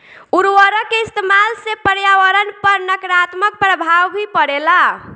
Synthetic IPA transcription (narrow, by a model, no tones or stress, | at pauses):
uɾwəɾəkeist̪emalsepəɾjaʋəɾənpəɾnəkɾat̪mək̚pɾəbʱawbʱipəɽela